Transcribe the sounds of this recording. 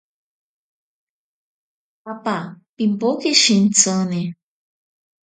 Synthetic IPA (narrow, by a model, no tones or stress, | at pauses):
apapimbokeʃin̩t͡səne